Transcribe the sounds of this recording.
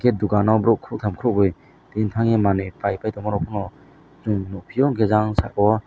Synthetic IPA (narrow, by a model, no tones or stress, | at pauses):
ket̚duɡanɔwbɾɔkʰuk̚tʰamkʰɾɔk̚bɯj | d̥entʰaŋemanɯpʰajpajtʰɔmaɾɔpʰunɔ | zuŋnupʰiɔŋkʰezaŋsaɔwɔ